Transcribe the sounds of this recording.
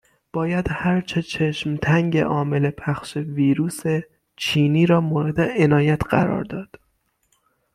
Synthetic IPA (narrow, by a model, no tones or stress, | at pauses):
b̥ɒːjæd̪̥hæɾt͡ʃʰet͡ʃʰeʃmt̪ʰæŋɟe̞̰ʔɒːme̞le̞pʰæxʃe̞viːɾuːse | t͡ʃʰiːniːɾɒːmoːɾe̞d̪eenɒːjæt̪ʰɢæ̰ɾɒ̰ːɾd̪ɒːd̪̥